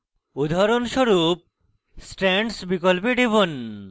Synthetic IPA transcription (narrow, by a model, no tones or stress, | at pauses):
ud̪ʱaɾonʃoɾup̚ | sʈɾeɳɖsbikolpeɖebon